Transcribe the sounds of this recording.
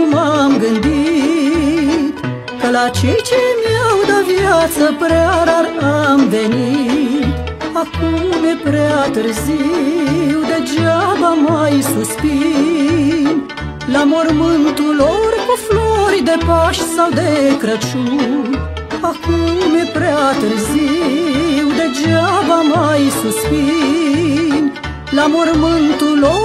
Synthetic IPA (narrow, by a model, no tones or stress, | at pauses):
umamɡɨnd̪i | t̪ | kəlat͡ʃejt͡ʃemiawd̪avjat̪səpɾeaɾaɾamve̞nit̪ | akumjepɾeaat̪ɨɾzi | wd̪e̞d͡ʒavamajsuspi | n | lamoɾmɨnt̪ulorkufloɾd̪epaʃsawd̪ekɾət͡ʃun | akummepɾeat̪əɾzi | wd̪ed͡ʒavamajsuspi | n | lamoɾmɨnt̪ulo